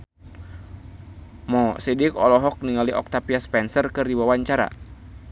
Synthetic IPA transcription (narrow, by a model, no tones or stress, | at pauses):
mɔsidikɔlɔɦɔk̚niŋaliʔɔ̰k̚t̪apiaspɛnsərkɨrdiwawaɲt͡ʃaɾa̰